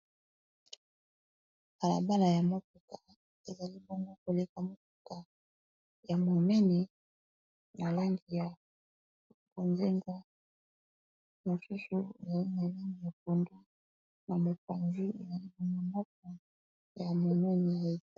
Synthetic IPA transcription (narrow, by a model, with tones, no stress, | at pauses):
ka˨la̰˨ba˦la˨ja˨mo˦ku˨ka˨ | e˨za˨li˦bɔ˦ŋɡo˦ko˨le˨ka˨mo˨k̚u˨ka˨ | ja˨mo˨mɛ˦ni˨ | na˨la˦ŋɡi˨ja˨ | bo˨nze˦ŋɡa˦ | mo˨su˦su˨e˨za˨li˦na˨la˦ŋɡi˨ja˨p̚o˨ndo˦ | na˨mo˨pa˨nzi˦e˨za˨li˦na˨mo˨nɔ˦k̚ɔ˨ | ja˨mo˨mɛ˦ni˨ja˨e˨˦